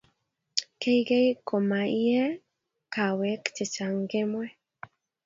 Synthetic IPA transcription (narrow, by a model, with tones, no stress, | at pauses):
ke˦jɡe˦jko˨ma˨i˦ɛ˦ | ka˨wɛ˨˦kt͡ʃe˨t͡ʃa˨ŋɡe˦mwɛ˦